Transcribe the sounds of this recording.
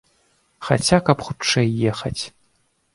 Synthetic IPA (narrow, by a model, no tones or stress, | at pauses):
xa̰t͡sʲakɐpxut͡ʂɛjːɛxɐt͡sʲ